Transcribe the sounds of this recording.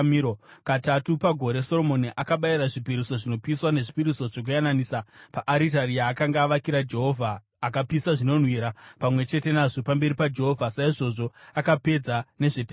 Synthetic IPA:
miɾokatatupaɡʱo̞ɾe̞so̞ro̞mo̞niʔakaɓajiɾaʐipiɾiso̞ʐino̞piswane̞ʐipiɾiso̞ʐok̬ujananiːsapaʔaɾitarijaːkaŋɡaːʋakiɾad͡ʒe̞ɦo̞vʱaː | kapisaʐino̞n̤wiːɾapamwe̞t͡ʃe̞te̞naʐo̞pambe̞ɾipad͡ʒe̞ɦo̞vʱasaiʐo̞ʐo̞akape̞d͡zane̞ʐete

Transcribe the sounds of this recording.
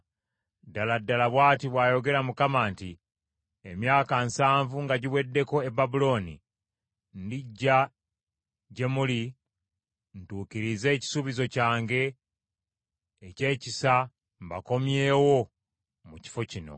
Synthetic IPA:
daladːalaβwaːtiβwaːjo̞ɡe̞ɾamukamaːnti | emjaːkansaːɱvuŋɡaɟiβwe̞dːe̞ko̞ebabulo̞nḭ | ndiɟːa | ɟe̞muli | ntuːkiɾize̞ːci̥suβizo̞caːŋɡe̞ | ce̞ːcisa | mba̰ko̞mje̞ːwo̞ | muci̥fo̞cino̞̰

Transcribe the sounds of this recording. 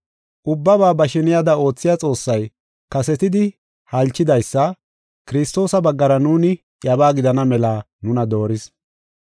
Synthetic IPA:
ʔʊbːɐbaːbɐʃɪnɪjad̪ɐo̞ːt͡sːɪjat͡sʼo̞ːsːɐj | kɐsɛt̪ɪd̪ɪ | hɐlt͡ʃːɪd̪ɐjsːɐ | kɪɾɪst̪o̞ːsɐbɐɡːɐɾɐnuːnɪ | jɐbaːɡɪd̪ɐnɐmɛlaː | nʊnɐd̪o̞ːɾɪs

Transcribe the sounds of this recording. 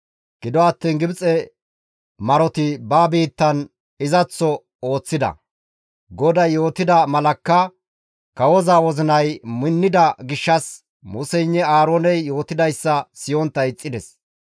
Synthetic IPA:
ɡ̥ɪd̪ɔɐt̪ːiːnɡɪbt͡sʼɛ | mɐɾɔt̪ɪbaːbiːt̪ːɐn | ɪzɐt͡sːɔ | o̞ːt͡sːɪd̪ɐ̰ | ɡɔd̪ɐjjːo̞ːt̪ɪd̪ɐmɐlɐkːɐ | kɐwɔzaːwɔzɪnɐjmɪnːɪd̪ɐɡɪʃːɐs | mʊsɛjnːɛaːɾoːnɛjːo̞ːt̪ɪd̪ɐjsːɐsɪjɔnt̪ːɐjɪt͡sʼːɪd̪ɛs

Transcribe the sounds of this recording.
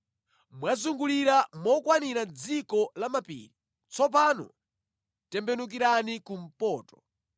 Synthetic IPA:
mwazuŋɡuliɾamɔkwaniɾad͡zikɔlamapḭːli | t͡sɔp̬anɔ̰ | tɛmbɛnuk̬iɾanikum̩pɔːtɔ̥

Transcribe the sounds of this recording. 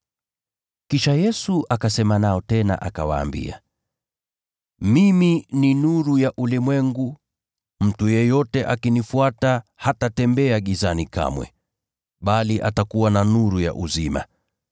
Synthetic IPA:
kiʃajɛsuʔakasɛmanaɔtɛna̰ʔaka̰wa̰ːmbḭa̰ | mimininuɾujaʔulimwɛŋɡu | m̩tujɛjɔtɛʔakinifuatahatatɛmbɛaɠizanika̰mwɛ̰ | ɓaliʔa̰takuwananuɾuja̰ʔuzima̰

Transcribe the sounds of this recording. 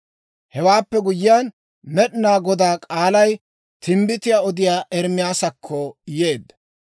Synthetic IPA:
hɛwaːpːɛɡʊjɪjan | mɛɗnaːɡɔd̪aːkʼaːlɐj | t̪ʰɪmbɪt̪ɪjaːɔd̪ɪjaːʔɛɾmɪjaːsɐkʰːɔje̞ːd̪ːɐ

